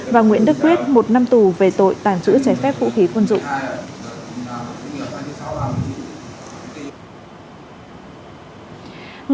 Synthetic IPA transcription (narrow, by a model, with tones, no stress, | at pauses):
vaː˨˩ŋwḭ˧˨ənɗɨ˦˥kːwi˦˥ət̚mo˨˩t̚na˧mt̪u˨˩ve˨˩t̪o̰˧˨jt̪aː˧˩ŋt͡ɕɨ̰˧˥ət͡ɕɛ˧˩fɛ˦˥p̚vṵ˧˥xi˨˦kwə˧nzʊ̰˧˨ŋ͡m | ŋ